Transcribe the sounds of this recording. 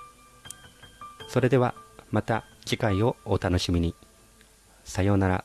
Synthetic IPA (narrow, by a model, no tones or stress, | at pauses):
so̞ɾe̞d̪e̞βamat̪ad͡ʑikaio̞ːt̪ano̞ɕimʲiɲ̟i | sajo̞ːnaɾa̰